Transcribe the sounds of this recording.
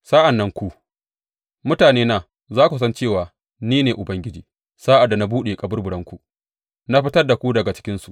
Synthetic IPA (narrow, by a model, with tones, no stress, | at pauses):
sa˦ʔa˨nːɐ˦ŋkʷu˦ | mʊ˦taː˨neː˦na˨ | zaː˦kʷu˨s̬ɐ˦nt͡ʃeː˦˨waː˨ | niː˦neː˨ʔʊ˨bɐ˦ŋɡʲɪ˦d͡ʒiː˨ | saː˦ʔa˨dːa˨na˦buː˦ɗeː˨kʼɐ˦bʊ˦rbʊ˨ɽɐ˦ŋkʷu˨ | na˦ɸɪ˦tɐ˦rda˨kʷu˦dɐ˨ɡa˨t͡ʃɪ̥˦kʲɪ˦nsu˨ʔ